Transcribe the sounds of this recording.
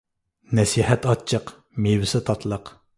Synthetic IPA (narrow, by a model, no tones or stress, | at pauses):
nɛsihɛt̪ɑt͡ʃʰːəq | mewɪsɪt̪ʰɑt̪ʰlˠəq